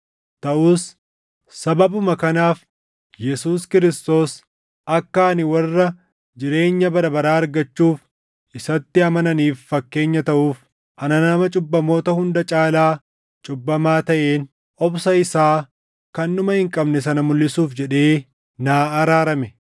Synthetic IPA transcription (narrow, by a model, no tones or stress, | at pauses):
t̪ɐʔuːs | sɐbɐbʊmɐkɐnaːf | jɛsuːskɪɾɪst̪o̞ːs | ʔɐkːaːnɪwɐrːɐ | d͡ʒɪɾe̞ːɲːɐbɐɾɐbɐɾaːɐɾɡɐt͡ʃːuːf | ʔɪsɐt̪ːɪɐmɐnɐniːfːɐkːe̞ːɲːɐt̪ɐʔuːf | ʔɐnɐnɐmɐt͡ʃʼʊbːɐmo̞ːt̪ɐhʊnd̪ɐt͡ʃʼaːlaː | t͡ʃʼʊbːɐmaːt̪ɐʔe̞ːn | ʔɔbsɐɪsaː | kɐnːʊmɐhɪŋkʼɐbnɛs̬ɐnɐmʊlːɪsuːfd͡ʒɛᶑe̞ː | naːɐɾaːɾɐmɛ